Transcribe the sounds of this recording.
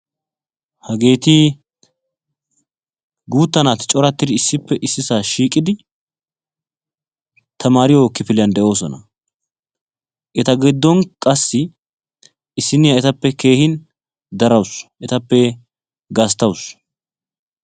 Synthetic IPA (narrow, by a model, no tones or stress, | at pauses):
hɐɡe̞ːt̪iː | ɡuːt̪ːɐnaːt̪ɪt͡ʃʼɔɾɐt̪ːɪd̪ɪɪsːɪpːɛʔɪsːɪsaːʃiːkʼɪd̪ɪ | t̪ʰɐmaːɾɪjɔkːɪpɪlɪjɐnd̪ɛʔo̞ːsɔ̰nɐ̰ | ʔɛt̪ɐɡɛd̪ːɔnkʼɐsːɪ | ɪsːɪnɪjɐɛt̪ɐpːɛke̞ːhɪn | d̪ɐɾɐwsʔɛt̪ɐpːɛ | ɡɐst̪ɐws